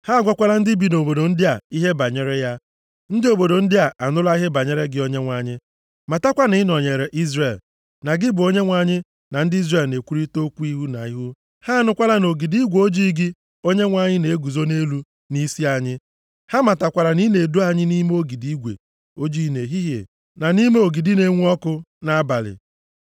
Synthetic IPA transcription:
ha˦˨ɡʷa˦kʷa˦la˦n̩˦dɪ˦bi˨no˨bo˨do˨n̩˦dɪ˦a˨i˦ɦe˦ba˨ɲe˦ɾe˦ja˦ | n̩˦dɪ˦o˨bo˨do˨n̩˦dɪ˦a˨ʔa˨nʊ˦la˦i˦ɦe˦ba˨ɲe˦ɾe˦ɡɪ˦o˦ɲe˦ŋʷa˨ɲɪ˦ | ma˨ta˦kʷa˦ni˨˦nɔ˨ɲe˨ɾe˨ʔi˦zre˨l | na˨ɡɪ˦bʊ˨o˦ɲe˦ŋʷa˨ɲɪ˦ | na˨n̩˦di˦zre˦˨lne˨kʷu˦ɾi˦to˦kʷu˦i˦ɦu˦na̰˨i˦ɦu˦ | ha˦nʊ˦kʷa˦la˦no˨ɡi˨di˦ɡʷo˦d͡ʒi˦ɡɪ˦ | o˦ɲe˦ŋʷa˨ɲɪ˦ne˨e˦ɡu˨zo˦ne˦lu˦ | ni˦si˦a˨ɲɪ˦ | ha˦ma˨ta˨kʷa˨ɾa˨ni˦ne˨du˦a˦ɲɪ˦ni˦me˦o˦ɡi˨di˦ɡʷḛ˨ | o˦d͡ʒi˦˨ne˨ɦi˦ɦḛ˨ | na˨ni˦me˦o˨ɡi˨di˦ne˦ŋʷ˦ɔ˦kʊ˦na˦a˦ba˨lɪ̰˨

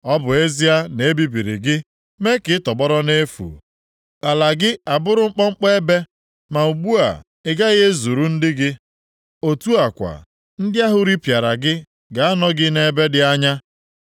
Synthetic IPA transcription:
ɔ˦bʊ˨e˦zi˦a˦ne˨˦bi˦bi˨ɾḭ˨ɡɪ˦ | me˦kɪ˨˦tɔ˨ɡ͡bɔ˦ɾɔ˦ne˦fṵ˨ | a˨la˨ɡɪ˦a˨bʊ˦ɾʊ˦ŋ͡m̩˦k͡pɔ˦ŋ͡m̩˦k͡pe˦e˦be˦ | ma˨u˨ɡ͡bu˦a̰˨ | ɪ˦ɡa˦ɣe˦zu˨ɾu˦n̩˦dɪ˦ɡɪ˦ | o˨tu˦a˨kʷa̰˨ | n̩˦dɪ˦a˦ɦʊ˦ɾi˦pja˨ɾa˨ɡɪ˦ | ɡa˨a˦nɔ˦ɡɪ˦ne˦be˦dɪ˦a˦ɲa˦

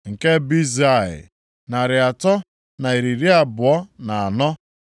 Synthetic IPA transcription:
ŋ̩˨ke˦bi˦za˦˨ɪ̰˨ | na˨ɾɪ˨a˨tɔ˦ | na˨i˨ɾi˨ɾi˦a˨bʊ˨ɔ˦na˨a˨nɔ˦

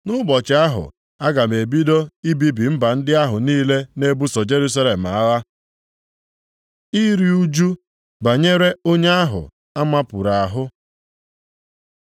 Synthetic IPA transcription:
nʊ˦bɔ˨t͡ʃɪ˨a˦ɦʊ̰˨ | a˦ɡa˨me˨bi˦do˦i˦bi˦bi˨m̩˦ba˨n̩˦dɪ˦a˦ɦʊ˨niː˦le˦ne˦bu˦sɔ˨d͡ʒe˦ɾu˦s̬a˦le˨m̩˨a˦la˦ | i˦ɾi˦u˦d͡ʒu˦ | ba˨ɲe˦ɾe˦o˦ɲe˦a˦ɦʊ̰˨ | a˦ma˦pʊ˨ɾa˨a˨ɦʊ˦

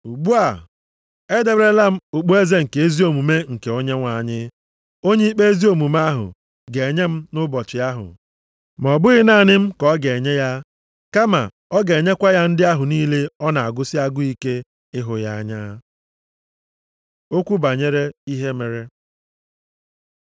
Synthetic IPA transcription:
u˨ɡ͡bu˦a˨ | e˦de˨bɾe˦la˦m̩˦ʊ˨k͡pu˦e˦ze˦ŋ̩˨ke˨e˦zi˦o˨mu˨me˦ŋ̩˨ke˨o˦ɲe˦ŋʷa˨ɲɪ˦ | o˦ɲe˦i˦k͡pe˦e˦zi˦o˨mu˨m˦a˦ɦʊ̰˨ | ɡe˨ɲe˦m̩˦nʊ˦bɔ˨t͡ʃɪ˨a˦ɦʊ̰˨ | m˨ɔ˨bʊ˦ɣɪ˦na˨nɪ˦m̩˦kɔ˦ɡe˨ɲe˦ja˦ | ka˦ma̰˨ | ɔ˦ɡe˨ɲe˦kʷa˦ja˦n̩˦dɪ˦a˦ɦʊ˨niː˦le˦ɔ˦na˨a˨ɡʊ˦sɪ˦a˦ɡʊ˦i˦ke˦ | ɪ˦ɦʊ˨ja˦a˦ɲa˦ | o˦kʷu˦ba˨ɲe˦ɾe˦i˦ɦe˦me˨ɾe˦

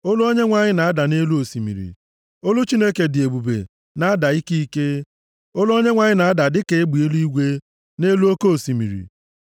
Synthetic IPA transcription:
o˦lʊ˦o˦ɲe˦ŋʷa˨ɲɪ˦na˨a˦da˨ne˦lu˦o˨si˨mḭ˨ɾḭ˨ | o˦lʊ˦t͡ʃi˦ne˦ke˨dɪ˨e˨bu˨bḛ˨ | na˦a˦da˨i˦ki˦i˦ke˦ | o˦lʊ˦o˦ɲe˦ŋʷa˨ɲɪ˦na˨a˦da˨dɪ˦ke˨˦ɡ͡bi˨e˦lu˦i˦ɡʷe˦ | ne˦lu˦o˦ko˦o˨si˨mḭ˨ɾḭ˨

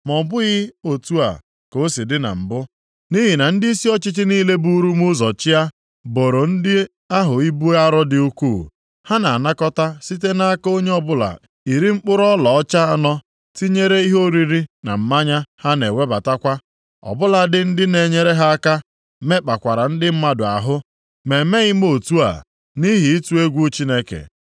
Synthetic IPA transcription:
mɔ˨bʊ˦ɣɪ˦o˨tu˦a̰˨ | ko˨˦si˨dɪ˦na̰˨m̩˨bʊ˦ | ni˦ɦi˨na˨n̩˦dɪ˦i˦si˦ɔ˦t͡ʃɪ˦t͡ʃɪ˦niː˦le˦bu˦ɾu˦mʊ˦zɔ˨t͡ʃɪ˦a˦ | bo˨ɾo˨n̩˦dɪ˦ | a˦ɦʊ˨i˦bu˦a˦ɾɔ˦dɪ˨u˦kuː˦˨ | ha˦na˨a˨na˦kɔ˦ta˦si˦te˦na˦a˦ko˦ɲe˦ɔ˦bʊ˦la̰˨ | i˨ɾi˦ŋ͡m̩˦k͡pʊ˦ɾɔ˦lɔ˨ɔ˦t͡ʃa˦a˦nɔ˦ | ti˦ɲe˦ɾe˦i˦ɦo˦ɾi˦ɾi˦na̰˨m̩˨ma˦ɲa˦ha˦ne˨wʷe˦ba˨ta˦kʷa˦ | ɔ̰˨bʊ˦la˨dɪ˨n̩˦dɪ˦ne˨ɲe˦ɾe˦ɦa˦a˦ka˦ | me˦k͡pa˨kʷa˨ɾa˨n̩˦dɪ˦m̩˦ma˦dʊ˨a̰˨ɦʊ˦ | me˨me˦ɣɪ˦m˦o˦˨tu˦a̰˨ | ni˦ɦi˨i˦tu˦e˦ɡʷu˦t͡ʃi˦ne˦kḛ˨

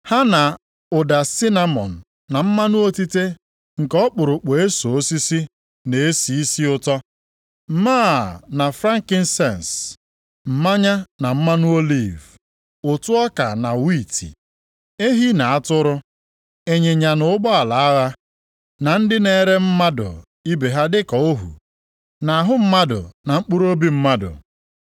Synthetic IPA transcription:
ha˦na˨ | ʊ˨da˨si˦na˦mɔ̰˨n̩ː˨a˨m̩˦ma˦nʊ˦o˦ti˦te˦ | ŋ̩˨kɔ˦k͡pʊ˨ɾʊ˨k͡pe˨e˦so˨o˦si˦si˦ | ne˨e˦si˨i˦si˦ʊ˦tɔ˦ | m̩˦maː˦na˨fɾa˦ŋ̩˨kɪ˦n̩˦sɛ˦˨n˨s | m̩˨ma˦ɲa˦na˨m̩˦ma˦nʊ˦o˦li˦˨v | ʊ˨tʊ˦ɔ˦ka˨na˨wi˦˨tḭ˨ | e˦ɦi˦na˨a˦tʊ˦ɾʊ˦ | e˨ɲe˨ɲa˨nʊ˨˦ɡ͡bɔ˦a˨la˨a˦ɣa˦ | na˨n̩˦dɪ˦ne˨˦˨ɾe˦m̩˦ma˦dʊ̰˨ | i˦be˨ɦa˦dɪ˦kɔ˨o˦ɦṵ˨ | na˨a˨ɦʊ˦m̩˦ma˦dʊ̰˨na˨ŋ͡m̩˦k͡pu˦ɾo˦bi˦m̩˦ma˦dʊ̰˨

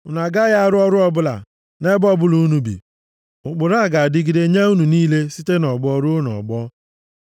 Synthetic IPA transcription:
ʊ˨na˨ɡa˦ja˦a˦ɾʊ˦ɔ˦ɾʊ˦ɔ˦bʊ˦la̰˨ | ne˦bɔ˦bʊ˦lu˨u˦nu˦bḭ˨ | ʊ˨k͡pʊ˨ɾa˦˨ɡa˨a˨dɪ˦ɡi˨de˦ɲe˦u˦nu˨niː˦le˦si˦te˦nɔ˨ɡ͡bɔ˦ɾʊ˦n˨ɔ̰˨ɡ͡bɔ˦

